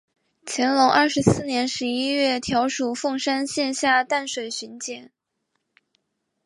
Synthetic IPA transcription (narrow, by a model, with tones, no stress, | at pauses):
t͡ɕʰjɛ˧˥nlʊ˧˥ŋʔɐ˞˥˩ʂɻ̩˧˥sɹ̩˥˩njɛ˧˥nʂɻ̩˧˥i˥ɥɛ˥˩t̪ʰjɑ˧˥ʊʂu˨˩fɤ˥˩˧ŋʂa˥nɕjɛ˥˧nɕja˥˧t̪a˥˩nʂwe˨˩ɪɕy˧˥nt͡ɕjɛ˨˩˦n